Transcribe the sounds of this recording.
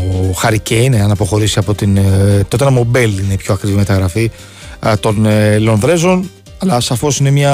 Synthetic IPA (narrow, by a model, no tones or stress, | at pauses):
xɐɾiceine̞ɐnɐpo̞xo̞ɾisiɐpo̞t̪int̪o̞t̪enɐmo̞be̞line̞ipço̞ɐkɾivime̞t̪ɐɣɾɐfi | t̪o̞nlo̞nðɾe̞zo̞n | ɐlɐsɐfo̞sine̞mɲɐ